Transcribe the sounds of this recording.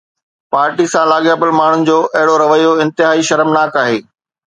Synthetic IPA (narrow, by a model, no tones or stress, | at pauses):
paːɾʈisãlaːɠjaːpɪlmaːɳ̤ʊnɪ̆d͡ʑoːʔɐɦɪɽoɾɐʋəjoɪ̃nt̪ɪɦaːiʃɐɾəmnaːkaːɦeː